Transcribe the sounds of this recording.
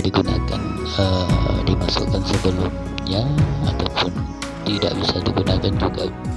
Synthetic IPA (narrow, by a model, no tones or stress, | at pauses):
diɡunaka̰n | ədimasʊ̰kansəbəlʊm | jaat̪awpʊn | t̪ida̰ʔbisadiɡunakand͡ʒuɡa